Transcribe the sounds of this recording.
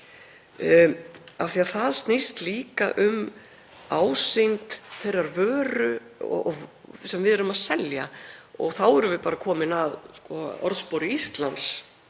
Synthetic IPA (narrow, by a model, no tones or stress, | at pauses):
awθiaðθaðst̪nist̪liːka̰ʔʏm | aːwsɪjnt̪θejrːaɾvœːɾʏɔ̰ɔ̰ɣsɛmvɪðɛɾʏmaðsɛlja̰ɔɣθawɛɾʏmvɪpaːɾakʰɔːmɪnaðskɔɔ̰ɾðspowɾɪist̪lans